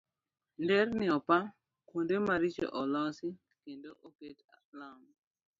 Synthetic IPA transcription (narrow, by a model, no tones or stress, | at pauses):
ndɛrnɪɔpa | kondemaɾit͡ʃḛʔɔlɔsɪ | kendoʔoketa | lam